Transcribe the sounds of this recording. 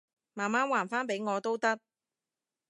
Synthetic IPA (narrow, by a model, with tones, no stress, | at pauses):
maː˨˩maː˥nwaː˨˩nfaː˥npe˨˥jŋɔː˨˧t̪o˥wt̪ɐ˥k̚